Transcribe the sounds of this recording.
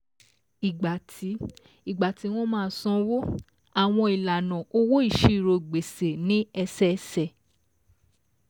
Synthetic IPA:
i˨ɡ͡ba˨tʰi˨˦ | i˨ɡ͡ba˨ti˨˦w̃ɔ̃˦mãː˦˨˦sɔ̃˧wo˦ | a˨w̃ɔ̃˧i˨la˨nɔ̃˨o˧˦wo˦i˦˨ʃi˨ɾo˧˨ɡ͡be˨se˨nĩ˦ɛ˧sɛ˦˧sɛ˦˨

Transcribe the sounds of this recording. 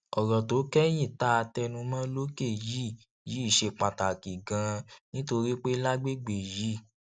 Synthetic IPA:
ɔ˨ɾɔ˨to˨˦kɛ˦j̃ĩ˦˨ta˦a˧tɛ˧nũ˧mã˦lo˦ke˦˨ji˦˨ | ji˨˦i˦˨ʃe˧k͡pa˨ta˨ki˨ɡã˧nĩ˦to˧ɾi˦k͡pe˦la˦ɡ͡be˦ɡ͡be˨ji˨˦˨

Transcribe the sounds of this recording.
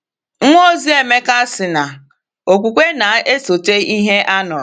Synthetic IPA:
ŋ̩˦ŋʷo˦zi˦e˨me˦ka˦sɪ˨na˨ | o˨kʷu˨kʷe˦na˨e˦so˨te˦i˦ɦe˦ʔa˦nʊ˨ɾʊ˨

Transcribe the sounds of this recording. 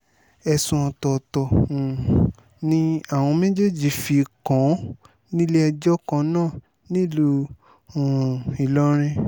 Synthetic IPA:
ɛ˧sũ˧ɔ̃˧tɔ˧tɔ̃˧˨ | nĩ˦a˦˨w̃ɔ̃˧mẽ˦d͡ʒe˦˨d͡ʒi˨fi˧kã˨˦ | nĩ˦lɛ˦ɛ˧d͡ʒɔ˦kã˧˦nãː˦˨ | nĩ˦˨lũ˦˨ | i˨lɔ˦ɾ̃ĩ˦

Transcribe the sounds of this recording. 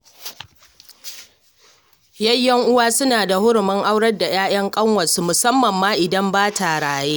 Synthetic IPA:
jɐ˦jːɐ˦ŋʔʊ˦waː˦sʊ˦naː˨da˨hʊ˦ɽʊ˨mɐ˦ŋʔa˦wɽɐ˦rda˨j̰aː˦j̰ʔɐ˦ŋkʼɐ˦ŋwɐ˨su˦mʊ˨sɐ˦mːɐ˨mːaː˦ʔɪ˨dɐ˦mbaː˦ta˨ɽaː˨jeː˦ʔ

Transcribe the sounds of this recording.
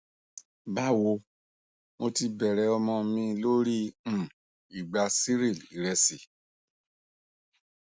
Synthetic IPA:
ba˦wo˧ | mo˧ti˧bɛ˨ɾɛ˨˦ɔ˧mɔ̃˧mĩ˧lo˦ɾĩ˦˨ | i˨ɡ͡ba˧si˦ɾi˦˨li˨ɾɛ˧si˨

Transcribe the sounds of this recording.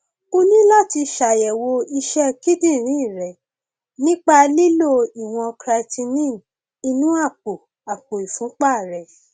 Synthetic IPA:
o˦nĩ˦la˦ti˧ʃa˨jɛ˨wo˧i˧ʃɛ˦ki˦dĩ˦˨ɾ̃ĩ˨˦i˦˨ɾɛ˨ | nĩ˦k͡pa˧li˦lo˦˨i˨w̃ɔ̃˧kɾa˧tʰĩ˧nĩ˦˨ | i˧nũ˦a˦˨k͡po˨ | a˨k͡po˨i˨fũ˨˦k͡pa˦˨ɾɛ˨

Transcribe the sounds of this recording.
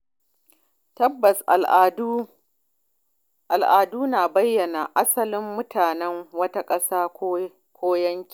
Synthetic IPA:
tɐ˦bːɐ˨sʔd | ʔa˨lʔaː˨duː˦naː˨bɐ˦jːɐ˨na˨ʔa˦sɐ˦lɪ˦mːʊ˦tʰaː˨nɛ˦ŋwɐ˦ta˦kʼɐ˦saː˦ | kʷʰoː˦jɐ˦ŋkʲi˨

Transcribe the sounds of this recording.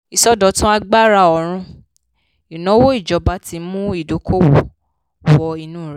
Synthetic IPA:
i˨sɔ˦dɔ˧˦tũ˦a˧ɡ͡ba˦ɾa˧˨ɔ˧˨ɾ̃ũ˧ | i˨nɔ̃˨˦wo˦i˦˨d͡ʒɔ˨˦ba˧˦ti˧˦mũ˦i˦˨do˨˦kʰo˦wo˨ | wɔ˧i˧nũː˦˨ɾ

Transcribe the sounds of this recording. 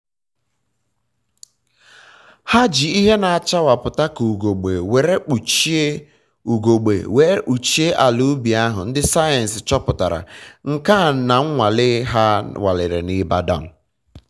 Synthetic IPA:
ha˦d͡ʒi˨i˦ɦe˦na˨a˨t͡ʃa˦wa˨pʊ˨ta˦ku˨ɡo˨ɡ͡be˨we˨ɾe˦k͡pu˨t͡ʃ | u˨ɡo˨ɡ͡bḛ˨we˨ɾe˦k͡pu˨t͡ʃi˦e˦ʔa˨lu˦bi˨a˦ɦʊ˨n̩˦dɪ˦sa˦je˨n̩˨sɪ˨t͡ʃɔ˦pʊ˨ta˨ɾa̰˨ŋ̩˨ka˦˨na˨ŋ̩˦ŋʷa˨lɪ˦ɦa˦wa̰˨lɪ˨ɾɪ̰˨ni˦ba˦dɔ̰˦˨m̩˨

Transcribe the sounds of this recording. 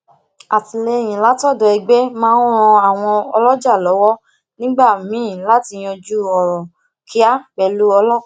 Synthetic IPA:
a˨ti˨le˧˨j̃ĩ˨la˨˦tɔ˦˨dɔ˨i˧ɡ͡be˦mãː˦ɾ̃ɔ̃˧a˨w̃ɔ̃˧ɔ˧lɔ˦d͡ʒa˦˨lɔ˨˦wɔ˦ | nĩ˦ɡ͡ba˦˨mĩ˨˦˨la˦ti˧j̃ɔ̃˧d͡ʒu˦ɔ˨ɾɔ˨ | kʰi˦a˦k͡pɛ˧lu˦ɔ˧lɔ˦˨

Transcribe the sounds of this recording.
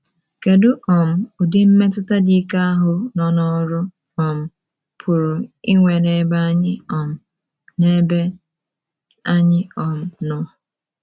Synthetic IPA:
ke˨dʊ˦ʔɔ˨m̩˨ʊ˨dɪ˦m̩˦me˦t̬ʊ˦ta˦di˦ka˦a˦ɦʊ˨nɔ˨nɔ˦ɾʊ˦ | ɔ˨m̩˨ | pʰʊ˨ɾʊ˨i˦ŋʷe˨ne˦ba˦ɲɪ˦ɔ˨m̩˨ | ne˦be˦ | a˦ɲɪ˦ɔ˨m̩˨nɔ˦˨

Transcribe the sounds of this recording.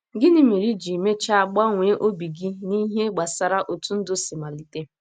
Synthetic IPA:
ɡɪ˦nɪ˦me˨ɾi˦d͡ʒi˨me˦t͡ʃa˦a˨ɡ͡ba˦ŋʷe˨˦ʔo˦bi˨ɡi˦ni˦ɦe˦ɡ͡ba˨sa˨ɾa˦˨ʔo˨tu˦n̩˦dʊ˦sɪ˨ma˨li˨te˦

